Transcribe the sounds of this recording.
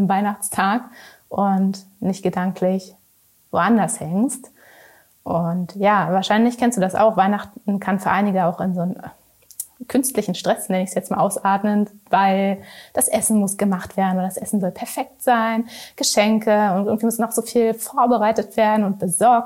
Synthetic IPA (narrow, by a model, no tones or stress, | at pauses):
ɪmvaɪnaχt͡stʰaːkʔʊnt | nɪçtɡ̥ədaŋkʰlɪç | voːʔandɐshɛŋst | ʔʊntjaːvaːɐʃaɪnlɪçkʰɛnstd̥uːdasa̰ʊxv̥aɪnaχtn̩kʰanfyːɐʔaɪnɪɡəaʊxɪnzoːn | kʰʏnstlɪçn̩ʃtʁ̥ɛsnɛnəɪçsjɛt͡stmaːlʔaʊsʔaːtmənvaɪld̥asʔɛsn̩mʊsɡ̥əmaχtv̥eːɐdn̩vodɐdasʔɛsn̩zɔlpʰɛɐfɛk̚tz̥aɪnɡ̥əʃɛŋkʰəʊntʔɪɡŋ̩tv̥iːmʊsnɔxz̥ofiːlfoːɐbəʁaɪtətv̥eːɐdn̩ʊnt̚b̥əzɔɐk̚t